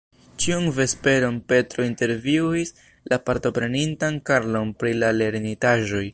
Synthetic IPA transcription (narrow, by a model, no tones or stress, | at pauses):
t͡ʃiunve̞spe̞ɾo̞npe̞tɾo̞inte̞ɾviwis | lapaɾto̞pɾe̞nintankaɾlo̞npɾilale̞ɾnitaʒo̞j